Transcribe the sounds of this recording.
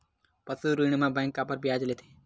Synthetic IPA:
pəsuɾiɳ̃mãbɛ̃ŋkːapəɾbjad͡ʒlet̪ʰe̥

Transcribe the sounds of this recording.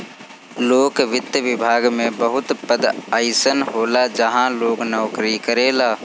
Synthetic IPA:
loːkʋɪt̪jəʋɪbʱaːɡmẽbəɦʊt̪pəd̪aɪsənɦoːlad͡ʒəɦãloːknɔːkɾikəɾeːlaː

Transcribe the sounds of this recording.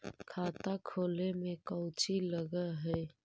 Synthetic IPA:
kʰaːt̪akʰoːlemẽkəwt͡ʃiləɡəɦɛː

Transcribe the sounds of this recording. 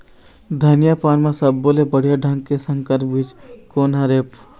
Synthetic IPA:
d̪ʱənijapaːnmẽsəbːoːlebəɽ̤jaɖʱə̃ŋɡkesə̃ŋkəɾpbit͡ʃkoːnɦɐɾeːp

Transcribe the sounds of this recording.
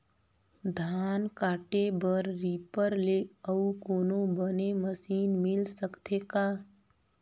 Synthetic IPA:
d̪ʱaːnkaːʈebəɾɾiːpəɾleəukoːnobəneməsiːnmɪlsəkt̪ʰekaː

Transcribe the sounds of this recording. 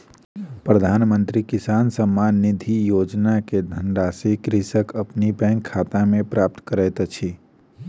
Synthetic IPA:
pɾəd̪ʱaːnmənt̪ɾikisansəmːanːid̪ʱijod͡ʒnaked̪ʱəɳɖasikɾisəkəpnibɛ̃ŋkʰːat̪amẽpɾap̚t̪kəɾɛɪt̪t͡ʃʰi

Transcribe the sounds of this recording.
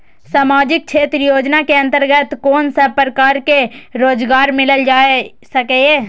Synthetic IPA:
saːmaːd͡ʒɪk̚t͡ʃʰeːt̪ɾjoːd͡ʒnakeɐ̃nt̪əɾɡət̪koːnsəpɾəkaːɾkeɾoːd͡ʒɡaːɾmɪləld͡ʒaːe | sɐkee

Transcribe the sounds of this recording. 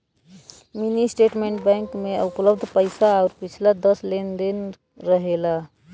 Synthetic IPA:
minisʈeːʈmẽːɳʈbɛ̃ːŋkmẽʊpləbd̪ʱpəɪsaɔʊɾpɪt͡ʃʰlad̪əslend̪in | ɾəɦela

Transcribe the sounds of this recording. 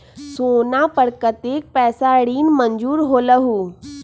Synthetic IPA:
soːnapəɾkət̪eːk̚pɛːsaɽiːnməɲd͡ʒuːɾɦoːləɦuː

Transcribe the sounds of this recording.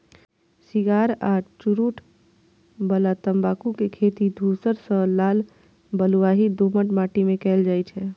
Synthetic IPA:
siɡaɾat͡ʃuɾuʈʰ | bəlat̪əmbakukekʰet̪id̪ʱusəɾsə̃laːl | bəluʋaɦid̪oməʈmaʈimẽkɛːld͡ʒaːjt͡ʃʰɛ

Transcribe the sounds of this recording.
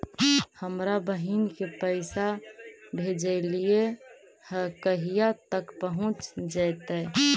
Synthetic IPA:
həmɾabəɦinkepəɪsabʱed͡ʒəɪlie | həkəɦijat̪əkpəɦũt͡ʃd͡ʒajt̪ə

